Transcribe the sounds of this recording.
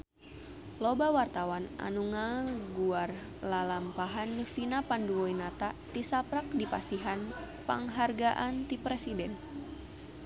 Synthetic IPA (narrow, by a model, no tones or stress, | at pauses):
lobawart̪awanʔa̰nuŋaɡuar | lalampaɦanfinapanduɔinat̪at̪isapɾak̚dipasiɦan | pa̰ŋɦarɡaʔant̪ipɾɛsidɛn